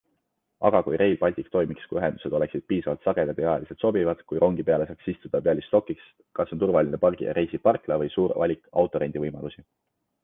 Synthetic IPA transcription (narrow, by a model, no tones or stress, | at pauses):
ɑɡ̥ɑkujɾʔe̞jlpɑlʲt̪ikt̪o̞jmikskujyɦe̞nd̪̥u̥se̞d̪̥o̞le̞ksid̥̪̚piːsɑvɑlt̪sɑɡ̥e̞d̪ɑd̪ejɑjɑliset̪so̞bivɑd̪̥kujɾo̞ŋɡ̥ipe̞ɑle̞sɑːksist̪ud̪̥ɑpeɑlist̪o̞kːˑiks | kɑsːo̞nt̪urvɑlʲinepɑrɡ̥ḭjɑ̰ɾejsipɑrklɑvɤjsuːɾvɑlʲikˑɑ̰wt̪ːˑo̞ɾend̪ivɤjmɑlusi